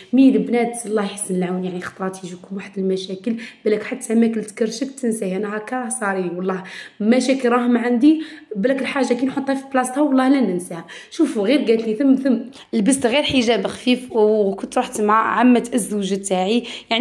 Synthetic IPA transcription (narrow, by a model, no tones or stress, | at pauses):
minəbnæd̪lˤːɑhjħə̥sːnəlʕawnjaʕnixt̪ˤɾˤɑt̪iʒikumwaħəd̪əlmæʃækəlbælːækħat̪ːæmækəlt̪kəɾʃək̚t̪ənsahænæhækæsˤɑɾiwɑlˤːɑhmæʃækəlɾˤɑɦmʕand̪iblækəlħaʒːakinħot̪ˤːhɑfiblɑst̪hawɑlˤːɑhlænənsihæʃufuɣiɾɡæt̪liθəmθəmː | əlbəst̪ɣiɾħəʒæbəxfifwkʊnt̪ɾˤuħt̪mʕaʕamːæt̪ʔəzːwʒæt̪ːaʕijaʕ